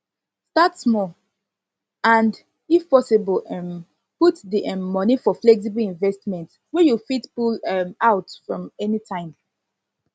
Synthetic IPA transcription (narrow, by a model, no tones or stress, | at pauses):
statsmɔ | ãnd | ifpɔsibəlm | putdiɛːɔnifɔflɛks̬ibəlĩnvɛstmɛ̃nt | wɛjufitpulɛmaʊtfɹɔ̃mɛnitʰãɪ̃m